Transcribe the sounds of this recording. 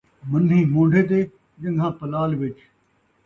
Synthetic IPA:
mɐn̤ĩːmõːɳɖʱeːt̪̬eː | d͡ʒɐ̃ŋɡʱãːpɐlaːlʋɪt͡ʃ

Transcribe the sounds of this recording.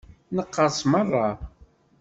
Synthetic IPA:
nəqːəsmərˤːɑ

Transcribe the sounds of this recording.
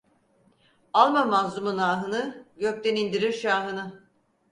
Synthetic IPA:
alˠmamazumunaːɦɯnɯɟøc̚t̪ɛnind̪iɾiɾʃaːɦɯnɯ

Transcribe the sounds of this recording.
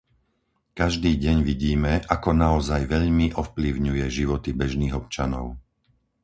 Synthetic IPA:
kaʒd̪iːɟɛɲʋiɟiːmɛʔakɔnaɔzajʋɛʎmiʔɔfpliʊɲujɛʒiʋɔt̪ibɛʒniːɣɔp̚t͡ʃanɔ̰ʊ

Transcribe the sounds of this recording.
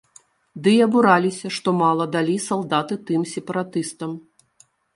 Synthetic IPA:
d̪ɨjɐbuɾalʲisʲɐʂt̪ɔmalˠɐd̪alʲisalˠd̪at̪ɨt̪ɨmsʲɛpɐɾat̪ɨst̪ɐm

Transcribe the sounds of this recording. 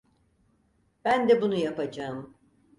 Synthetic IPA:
b̥ænd̪ɛbunujapad͡ʒaɯm

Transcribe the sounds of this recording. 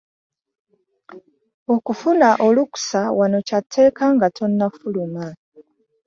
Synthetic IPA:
okufunaʔoluku̥sawano̞catʰːe̞ːkaŋɡatʰo̞nːafuluma

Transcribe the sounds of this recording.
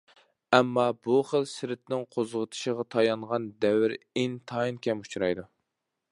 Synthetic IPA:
ɛmːɑbuχəlsɪɾɪt̪̚nɪŋqʰozʁət̪ʰɨ̥ʃəʁɑt̪ʰɑjɑɴʁɑnd̪ɛwɪɾɪnt̪ʰɑinkʲʰɛmu̥t͡ʃʰɾɑjd̪u

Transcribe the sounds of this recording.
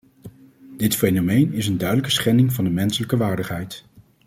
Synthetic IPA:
dɪtfejnomejnɪsəndœɥdələkə̥sχɛnɪŋvɑndəmɛnsələkəʋaːɹdəχɦɛjt

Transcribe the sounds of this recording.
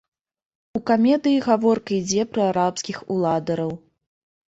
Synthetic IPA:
ukamʲɛd̪ɨjiɣavɔrkɐid͡zʲɛpɾɐaɾapskʲixulˠad̪ɐɾɐw

